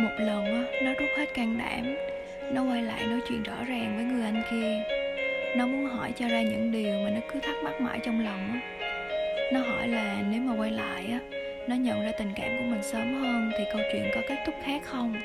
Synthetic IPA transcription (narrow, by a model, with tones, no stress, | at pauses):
mo˨˩t̚lə˨˩nʔaː˨˦nɔ˨˦zu˦˥t̚hə˦˥t̚kaː˧ŋɗa̰ː˧˩˥m | nɔ˨˦kwa˧jla̰ː˧˨jɗo˨˦jt͡ɕwḭ˧˨ənzɔ̰˧˥zaː˨˩ŋvəː˨˦jŋɨ˨˩jʔa˧jŋ̟ki˧ə | nɔ˨˦mu˨˧˦ənɦɔ˧˩jt͡ɕɔ˧zaː˧ɲɨ̰˧˥ŋɗi˨˩əwmaː˨˩nɔ˨˦kɨ˨˦t̪ʰa˦˥k̚ɓa˦˥t̚ma̰ː˧˩jt͡ɕɔ˧wŋ͡mla˨˩wŋ͡mʔaː˨˦ | nɔ˨˦ɦɔ˧˩jlaː˨˩ne˨˦wmaː˨˩kwaː˧jla̰ː˧˨jʔaː˨˦ | nɔ˨˦ɲə̰˧˨nzaː˧t̪ï˨˩ŋ̟ka̰ː˧˩˨mku˧˩əmï˨˩ŋ̟səː˨˦mhəː˧nt̪ʰi˨˩kə˧wt͡ɕwḭ˧˨ənkɔ˨˦ke˦˥t̚t̪ʰʊ˦˥k͡p̚xaː˦˥k̚xə˧wŋ͡m